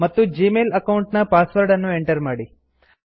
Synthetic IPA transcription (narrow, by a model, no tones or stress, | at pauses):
mɐt̪ːud͡ʒiːmeːlɐkɐwuɳʈnɐpaːsʋɐɾɖɐnːue̞ɳʈɐɾmaːɽi